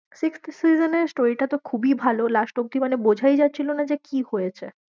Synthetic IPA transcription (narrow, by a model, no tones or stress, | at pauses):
sikst̪sizeneɾsʈoɾiʈat̪okʰubibʱalolaʃʈok̚d̪imanebod͡ʑʱajd͡ʑatːɕʰilonad͡ʑekihojet͡ɕʰḛ